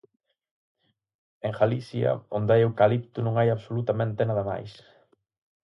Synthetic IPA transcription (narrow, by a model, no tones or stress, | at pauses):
eŋxalisjɐ̰ond̪ajewkalipt̪ʊnũŋajaβsolut̪amẽnt̪enaðɐma̰js